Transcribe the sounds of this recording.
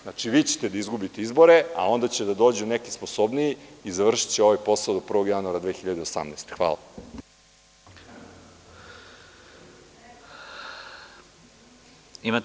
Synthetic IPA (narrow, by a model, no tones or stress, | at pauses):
nat͡ʂiʋiːt͡ɕet̪ed̪aizɡubit̪eizbo̞ɾe̞a̰o̞nd̪at͡ɕed̪ad̪o̞ːd͡ʑunekispo̞so̞bnijiizaʋr̩ʃi̥t͡ɕeo̞ʋajpo̞saod̪opr̩ʋo̞ɡjanuaɾad̪ʋeːxiʎad̪eosa̰mneːst̪exʋa̰ːla̰ | ima